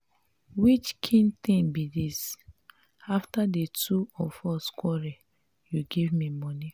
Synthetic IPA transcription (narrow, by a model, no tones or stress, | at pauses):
wit͡ʃkʰĩnt̪ĩnbidis | aftadetuɔfɔskwɔɹɛ | juɡivmimɔni